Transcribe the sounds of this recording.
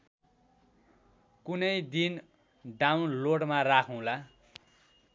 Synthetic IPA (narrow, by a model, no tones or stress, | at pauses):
kunʌjd̪in | ɖawnloɽmarakʰũla